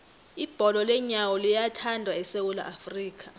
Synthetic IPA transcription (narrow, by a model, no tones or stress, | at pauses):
ib̥ʱɔlɔlɛɲawɔlijatʰandʱwaɛsewula̰ʔafriːk̬ʰʼa